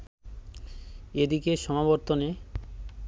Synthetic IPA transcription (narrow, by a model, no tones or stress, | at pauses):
ed̪ikeʃɔmaboɾt̪one